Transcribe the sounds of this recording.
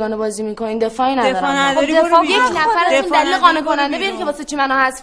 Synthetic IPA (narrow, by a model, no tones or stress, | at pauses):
ɡɒːnebɒːziːmiːkʰoniːnd̪e̞fɒːinæd̪ɒːɾd̪od̪efɒːjekʰnæfæɾæziːnd̪æliːleɣɒːnekʰonænd̪ebejd̪kʰebɒːset͡ʃʰimænɒːhæs